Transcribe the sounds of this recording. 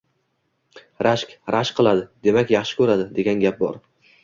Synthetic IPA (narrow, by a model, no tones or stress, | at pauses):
ɾaʃkʲɾʔaʃqʰɨlˠad̪ɪd̪e̞makʲjɑχʃɪ̥kʰɵɾad̪ɪd̪e̞ɡʲanɡʲap̚bɒ̰ɾ